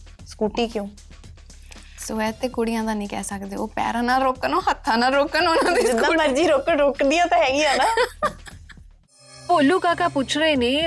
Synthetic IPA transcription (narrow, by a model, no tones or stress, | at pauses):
skuːʈiːkjõː | soːɛːt̪eːkʊɽɪjãːd̪ãːnĩːkɛ̰ːsəkd̪eːoːpɛ̰ːɾãːnaːlɾoːkənoːɦət̪ʰːãːnaːlɾoːkənonãːʋɪɪd̪ãməɾd͡ʒiːɾoːkəɾoːkd̪ɪjãːt̪ãːɦɛːɡɪːãːnaː | poːlũːkaːkaːput͡ʃʰɾeːniː